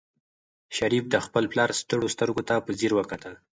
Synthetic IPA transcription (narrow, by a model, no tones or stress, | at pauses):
ʃaɾifd̪əxpəlplɑɾst̪əɽost̪əɾɡot̪apəziɾwəkat̪əl